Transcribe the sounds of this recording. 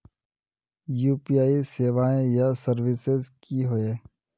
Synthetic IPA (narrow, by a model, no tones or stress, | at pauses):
juːpijaːiseːʋaːẽjasəɾʋɪsɪzkiɦoeː